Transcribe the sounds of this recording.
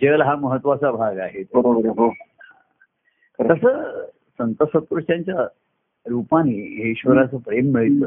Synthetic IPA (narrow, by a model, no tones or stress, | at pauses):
d͡ʑəlɦaməɦət̪ʋat͡sabʱaɡaɦet̪bəɾobəɾeɦohã | t̪əsəː | sənt̪əsək̪̚ɾuʂʈjãɲt͡ɕja | ɾupaniːɦeiɕʋəɾat͡səpɾemːiɭt̪ə